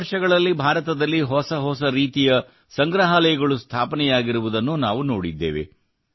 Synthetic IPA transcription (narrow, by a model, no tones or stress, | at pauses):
ɾʂɐɡɐɭɐlːibʱaːɾɐt̪ɐd̪ɐlːiɦɔsɐɦɔsɐɾiːt̪ijɐ | sɐŋɡɾɐɦɐlɐjɐɡɐɭust̪ʰaːpɐnɛjaːɡiɾuʋud̪ɐnːunaːʋuno̞̰ːɽid̪ːḛːʋḛ